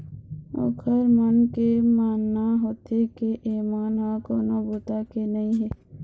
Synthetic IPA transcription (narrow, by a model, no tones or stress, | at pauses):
o̰ːkʰəɾmənkemaːnːaɦoːt̪ekeʔeːmaːnɦakoːnabuːt̪akenəɦĩɦɛː